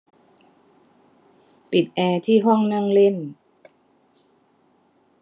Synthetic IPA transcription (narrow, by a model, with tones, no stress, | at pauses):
pi˨˩t̪̚ʔɛː˧t̪ʰiː˥˩ɦɔ˥˩ŋna˥˩ŋle˥˩n